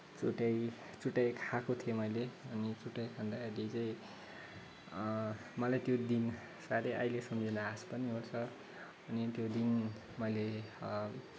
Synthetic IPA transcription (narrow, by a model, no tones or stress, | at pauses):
t͡suʈaj | t͡suʈːajkʰakot̪ʰijomʌjleʌnit͡suʈːajkʰand̪akʰad̪it͡saj̃ | mʌlajt̪jod̪in | saɾʌʔajlesʌmd͡zinʌaspʌniɦort͡sʰʌ | ʌnit̪jod̪in | mʌjle